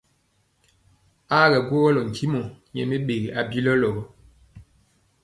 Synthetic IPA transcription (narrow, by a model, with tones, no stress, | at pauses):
a˦ɣɛ˨ɡwo˦ɣɔ˦lɔ˨ŋ̩˨tʰi˦mo˨ɲɛ̰˨me˦ɓe˨ɣi˨ʔa˨bi˦lɔ˦lɔ˨ɣɔ˦